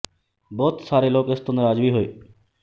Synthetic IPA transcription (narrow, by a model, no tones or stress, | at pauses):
bɔːt̪saːɾeloːkɪst̪onəɾaːd͡ʒʋiːɦoeː